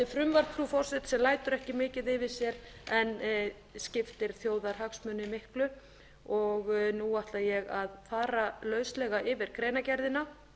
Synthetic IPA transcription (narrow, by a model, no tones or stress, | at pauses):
ɪfɾʏmvaɾ̥pʰɾufɔr̥sɪt̪sɛmlaːjt̪ʏɾɛhcɪmɪːcɪðɪvɪsjɛɾɛn | scɪft̪ɪɾ̥θjoːwðaɾ̥haksmʏnːɪmɪhklʏ | ɔɣnuaht̪lajɛɣaðfaːɾalœːɥslɛɣaʔɪvɪɾ̥kʰɾeːjnacɛɾðɪna